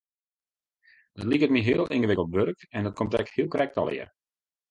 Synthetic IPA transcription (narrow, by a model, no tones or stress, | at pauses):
d̥ɔtlikət̚miɦɪəlˠʔɪ̰nɣəʋɪkəl̩ˠtʋørkɛndɔt̚komtɛkhiəlˠkrɛk̚tɔ̰lˠɪ̰ər